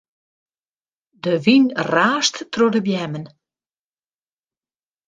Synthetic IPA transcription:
dəʋinraːstːrodəbjɛmən

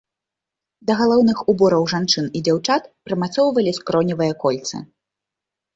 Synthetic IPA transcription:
d̪ɐɣalˠɔwnɨxubɔɾɐwʐant͡ʂɨnid͡zʲawt͡ʂat̪̚pɾɐmat̪sɔwvɐlʲiskɾɔnʲivɨjɐkɔlʲt̪sɨ̰

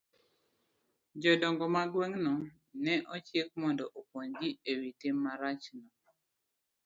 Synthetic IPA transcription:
d͡ʒɔdɔŋɡɔmaɡwɛŋnɔ | nɛʔɔt͡ʃjek̚mɔndɔʔopwoŋɡiewitimːaɾat͡ʃnɔ

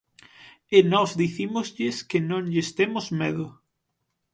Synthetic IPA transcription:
enɔzðiθimʊzʎɪskenõŋʎest̪emozmeðʊ

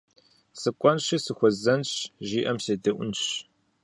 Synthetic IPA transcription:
sɨkʷʼɔnʃisɨxʷɔzɐnɕʒiːʔɐmseːdɐʔʷʊnɕ

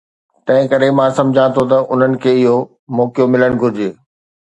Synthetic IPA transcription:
t̪ɐ̃ɦɪ̃kɐɾemãːsɐ̃md͡ʑʱãt̪ʰot̪ɐʔʊn̤ənɪ̆kʰeːɪɦo | mɔːkjomɪləɽ̃ɡʱʊɾɪd͡ʑeː

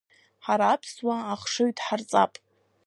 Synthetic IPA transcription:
ħaɾaːpʰswaːχʂɨɥtʰʼħart͡sʼa̰pʼ

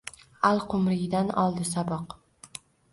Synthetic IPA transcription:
alˠqʰʊmɾɪɡʲɪd̪anɒlˠd̪ɪsabɒq

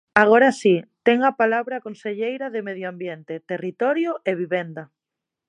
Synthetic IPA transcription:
aɣ̞oɾasit̪ɛŋapalaβɾakõnseʎejɾɐðemeðjoambjent̪et̪erit̪ɔɾjʊʔeβ̞iβɛnd̪ɐ

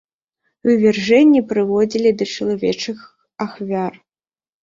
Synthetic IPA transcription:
ɨvʲɛrʐɛnʲːipɾɨvɔd͡zʲilʲid̪ɐt͡ʂɐlˠavʲɛt͡ʂɨx | axvʲar

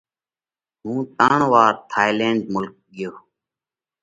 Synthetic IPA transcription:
ɦũːt̪ãːɳʋaːɾt̪ʰaːɪlẽːɳɖmʊlk̚ɡɪjoː

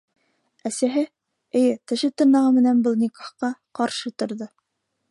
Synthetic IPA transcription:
æsæɦɘ | ɘ̆jɘt̪ɘ̆ʃɘt̪ɤ̆ɾnɑʁɑmɘ̆nænbɤ̆lˠnʲikoχqɑqɑɾʃɤt̪ŏɾðɤ

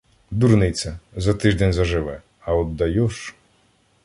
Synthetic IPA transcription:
d̪urnɪjt͡sʲɐzɐt̪ɪʒd̪ɛnʲzɐʒɪʋɛ | ɐɔd̪ːɐjɔʃ

